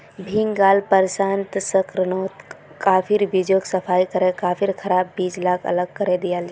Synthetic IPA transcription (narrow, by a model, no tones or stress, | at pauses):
bʱiŋɡaːlpəɾsaːnt̪səkɾənoːt̪ | kaːpʰɪɾbid͡ʒoksɐpʰaːikəɾẽkaːpʰɪɾkʰɐɾaːbːiːd͡ʒlaːkʰɐ̰ləɡ̚kəɾẽd̪ijaːld͡ʒ